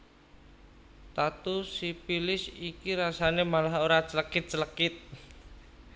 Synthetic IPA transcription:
t̪at̪usipilɪsikiɾasanemalaɦoɾat͡ʃələkɪt̪̚t͡ʃələkɪt̪̚

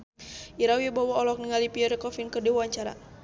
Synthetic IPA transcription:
ʔiɾawibawɔɔlɔk̚niŋalipiɔɾɛkɔfinkɨrdiwuaɲt͡ʃaɾa̰

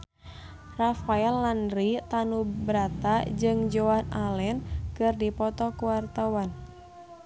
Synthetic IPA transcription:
rafaɛlːandɾit̪anubɾat̪ad͡ʒɨŋd͡ʒoanalɛnkɨrdipɔt̪ɔkuwart̪awan

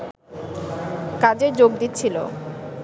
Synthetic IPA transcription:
kad͡ʑeɾd͡ʑoɡd̪it̪ːt͡ɕʰilo̰

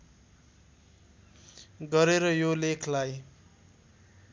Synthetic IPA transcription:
ɡʌɾeɾʌjolekʰlaj

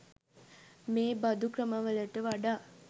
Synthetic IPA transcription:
meːbad̪ukrəməʋələʈəʋaɖaː

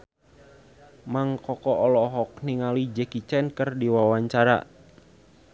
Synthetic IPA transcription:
maŋkɔkɔʔɔlɔɦɔk̚niŋalid͡ʒɛkit͡ʃɛnkərdiwawaɲt͡ʃaɾa̰

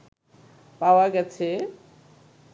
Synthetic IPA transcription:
pawaɡɛt͡ɕʰe

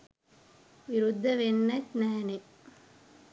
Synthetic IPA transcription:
ʋiɾud̪ʱːɐʋenːɐt͡ʃnɛːne

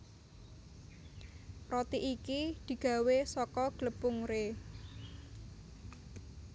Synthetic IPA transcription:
rot̪iʔikid̪̥i̤ɡ̥ä̤wesɔkɔɡ̥ləpʊŋɾe

